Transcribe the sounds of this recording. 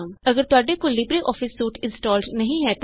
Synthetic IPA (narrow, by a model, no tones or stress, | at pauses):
mɐɡəɾt̪ʊaːɖekolibɾeʔɔːfɪsːuːʈɪ̃nsʈɔːlɖnɐɦĩɦɛt̪